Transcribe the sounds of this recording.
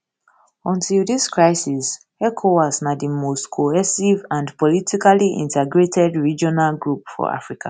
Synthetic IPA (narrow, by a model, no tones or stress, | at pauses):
ɔ̃ntʰildiskɹaɪsis | ɛkʰowasnadimostkʰohɛsivãndpɔlitikaliʔḭ̃ntɛɡɹetʰɛdɹid͡ʒɔnalɡɹupfɔ̰ʔa̰fɹika̰